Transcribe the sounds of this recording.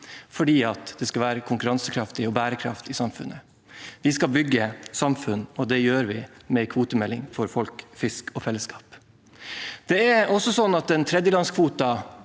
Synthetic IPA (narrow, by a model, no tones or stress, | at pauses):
fɔɖiːɑt̪d̪ɛskɑʋæːɾəkʰʊŋkʉɾɑnsəkʰɾɑft̪ɪɔbæːɾəkʰɾɑ̰ft̪ɪsɑmfʉ̰nːə | ʋɪskɑbʏɡːəsɑmfʉnːɔd̪ɛjøːɾʋɪmɛɪkʰuːt̪əmɛlːɪŋfɔɾfɔlkfɪskʰɔfɛlːəskɑ̥ːp | d̪̥ɛɛɾɔsɔsɔnːɑt̪ɛnt̪ʰɾɛd̪jəlɑnskʰʋuːt̪ɑ